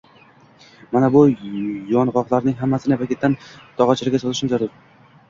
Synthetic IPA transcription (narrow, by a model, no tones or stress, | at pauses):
manabʊjɒnʁɒqlˠaɾnɪŋɦamːasɪnɪpakʲʰet̪ːant̪ʰɒʁɑt͡ʃʰɪɾɪɡʲasɒzɪʃɪmzaɾʊɾ